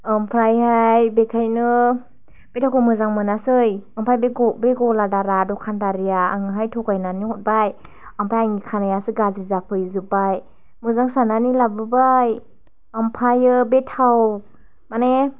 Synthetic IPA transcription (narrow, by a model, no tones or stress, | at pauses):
ɯmpʰɾajhajbekʰajnɯ | b̥etʰawkʰɯmɯzaŋmɯnasɯjampʰajbeɡɔbeɡɔladaɾadɔkʰandaɾijaaŋɯɦajtʰɔɡajnanihɔt̚baj | ampʰajaŋikʰanajasɯɡazizapʰɯjzɯbaj | mɯzaŋsananilabɯbaj | ampʰajɯbetʰaw | mane